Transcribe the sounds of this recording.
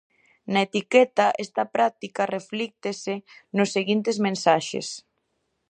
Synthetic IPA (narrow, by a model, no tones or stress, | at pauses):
nɐet̪ikɛt̪aʔest̪ɐpɾak̚t̪ikareflik̚t̪esenʊsːeɣint̪ezmẽnsaʃḛs